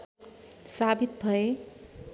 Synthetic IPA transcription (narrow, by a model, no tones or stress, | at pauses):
sabit̪̚bʱʌe